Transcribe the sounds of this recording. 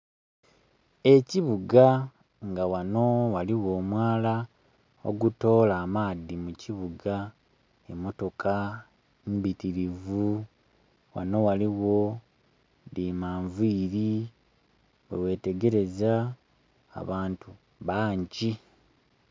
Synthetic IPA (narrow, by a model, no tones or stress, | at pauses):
e̞ciβuɡa | ŋɡawano̞waliwo̞ːmwaːla | o̰ɡuto̞ːlaːmaːðimuciβuɡa | emo̞to̞kʰa | mbitiɾivu | wa̰no̞waliwo̞ | dimaːɱviːɾi | wewe̞ːte̞ɡe̞ɾe̞za̰ː | βaːntu | βaːɲɟi